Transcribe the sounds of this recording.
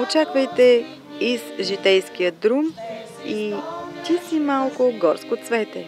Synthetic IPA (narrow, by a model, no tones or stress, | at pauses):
ot͡ʃakvɐjt̪ɛ | izʒit̪ɛjsk̟ijəd̪ɾum | it̪ʲisimalˠkʊɡɔɾskot̪svɛt̪ɛ